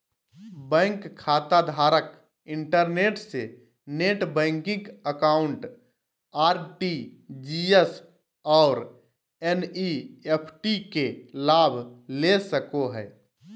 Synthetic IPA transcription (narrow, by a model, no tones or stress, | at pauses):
bɛ̃ːŋkʰːaːt̪ad̪ʱaːɾək | ɪ̃ɳʈəɾneːʈse | neːʈbɛ̃ːŋkɪ̃kəkaːʊ̃ɳʈ | aːɾʈid͡ʒies | ɔːɾ | ɛniepʰʈikelaːbʱlesəkoɦɛː